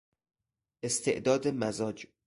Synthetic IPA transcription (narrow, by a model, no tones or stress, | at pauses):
ʔest̪ʰḛʔd̪ɒːd̪emæzɒːd͡ʒ